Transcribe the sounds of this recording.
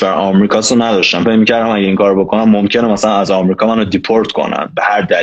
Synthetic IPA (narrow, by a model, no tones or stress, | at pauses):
æɾʔɒmɾiːkʰɒːsonæd̪ɒʃt̪æmfe̞cmicæɾd̪æmæɟeiːŋkʰɒːɾobe̞kʰo̞næmːomcʰe̞nemæsælænæzɒmɾiːkʰɒːmænod̪ipʰoɾt̪kʰo̞̰næ̰mbehæɾd̪æ